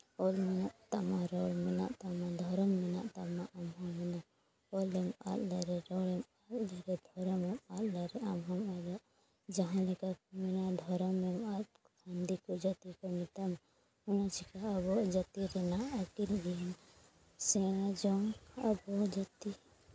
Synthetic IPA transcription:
ɔlmɛnaʔt̪amaɾɔɽmɛna̰ʔt̪amad̪ʱɔɾɔmːɛna̰ʔt̪amaʔamɦɔmːɛna | ɔlɛma̰t̪laɾɛɾɔɽɛmat̪laɾɛd̪ʱɔɾɔmɛmat̪laɾɛamɦamalaʔ | d͡ʒaɦãlɛkakmɛnaʔd̪ʱɔɾɔmːɛmat̪ | ɡand̪ikɔd͡ʒat̪ikɔmit̪am | unat͡ʃʰikaːβɔʔd͡ʒat̪iɾɛnaʔakilɡin | sɛɽ̃ad͡ʒɔŋa̰bɔd͡ʒat̪i

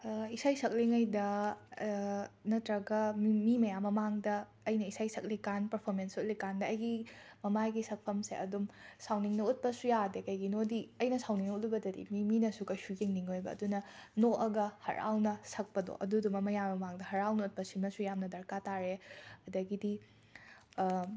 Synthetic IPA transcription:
isajsʰɐk̚liŋajdɐ | nɐtɾɐɡɐmmimɐjamɐmaŋdɐː | jnɐisajsɐk̚likanpɐɾpʰoɾmensut̚likandɐɐjɡimɐmajɡisɐk̚pʰɐmsḛɐ̰dumsawniŋnɐut̚pɐsujadekɐjɡinodiɐjnɐsawniŋnɐut̚lɐbɐdɐdḭmiminɐsukɐjsuɡeŋniŋojbɐ̰ːdunɐnoʔɐɡɐhɐ̰ɾa̰wnɐsɐk̚pɐdo̰ʔɐ̰dudumɐmɐjamɐmaŋdɐhɐɾawnɐut̚pɐsimɐsujamnɐdɐɾkataɾeɐdɐɡidi

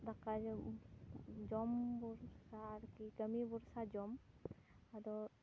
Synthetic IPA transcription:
d̪akad͡ʒ | d͡ʒɔmbuɾsaɾkikəmibuɾsad͡ʒɔm | ad̪ɔ

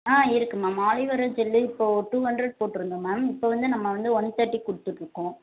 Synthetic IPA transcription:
aːɪɾɯkːɯmːaːmaːɭɪʋɐɾɐd͡ʒɛlːɯɪpːoːʈuːhɐɳɖɾɐɽ̚poːʈːɪɾɯnd̪ɯmːaːɪpːoːʋɐnd̪ɯnɐmːɐʋɐnd̪ɯɔnt̪ːɐʈːikʊɽɯt̪ːɯʈɾɯkːʊ̃ː

